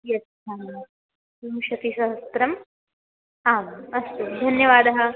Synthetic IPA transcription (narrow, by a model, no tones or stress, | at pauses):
jɐtː | a | sumʃɐt̪isɐɦɐst̪ɾɐm | aːmɐst̪ud̪ʱɐnjɐʋaːd̪ɐɦɐ̆